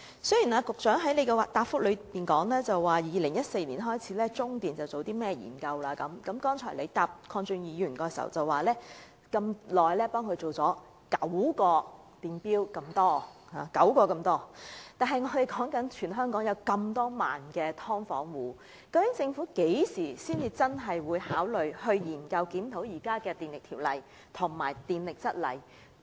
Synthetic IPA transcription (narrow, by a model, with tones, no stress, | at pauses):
sɵ˥ɥjiː˨˩naː˧kʊ˨k̚t͡ʃœː˨˥ŋɦɐ˨˥jle˨˧jkɛ˧wa˨t̚t̪aː˨pfʊ˥k̚lɵ˨˧ɥpiː˨nkɔː˨˥ŋlɛː˥t͡sɐ˨wwaː˨˩jiː˨˧lɪ˨˩ŋjɐ˥t̚se˧jniː˨˩nɦɔː˥jt͡sʰiː˨˥lɛː˥t͡sʊ˥ŋt̪iː˨nt͡sɐ˨wt͡so˨wt̪iː˥mɛː˥jḭː˨˩nkɐ˧wlaː˧kɐ˨˥mkɐ˨˧mkɔː˥ŋt͡ʃʰɔ̰ː˨˩le˨˧jt̪aː˨p̚kʰɔː˧ŋt͡ʃy˧ŋjiː˨˧jyː˨˩nkɔː˧jsɐ̰˨˩wt͡sɐ˨˩wːaː˨˩lɛː˥ | kɐ˧mlɔː˨jlɛː˥pɔː˥ŋkʰɵ˧ɥt͡so˨wt͡sɔː˨˥ | kɐ˨˥wkɔː˧ | t̪iː˨˩npiː˥wkɐ˧mt̪ɔː˥haː˨kɐ˨˥wkɔː˧kɐ˧mt̪ɔː˥t̪aː˨nɦɐ˨jŋɔː˨˧t̪e˨jkɔː˨˥ŋkɐ˨˥nt͡ʃʰyː˨˩nɦœː˥ŋkɔː˨˥ŋjɐ˨˧wkɐ˧mt̪ɔː˥ma̰ː˨˩nkɛː˧t̪ʰɔː˥ŋfɔ̰ː˨˥ŋwuː˨˥ | kɐ˧wkɪ˨˥ŋt͡sɪ˧ŋfuː˨˥ke˨˥jsiː˨˩siː˥nt͡siː˧t͡sɐ˥nɦɐ˨jwuː˨˧jhaː˨˥wlɵ˨ɥhɵ˧ɥjiː˨˩nkɐ˧wkiː˨˥mt̪ʰo˨˥wjiː˨˩kaː˥kɛː˧t̪iː˨nlɪ˨k̚t̪ʰiː˨˩wlɐ̰˨˩j | t̪ʰʊ˨˩ŋma̰ː˨˩jt̪iː˨nlɪ˨k̚t͡sɐ˥t̚lɐ̰˨j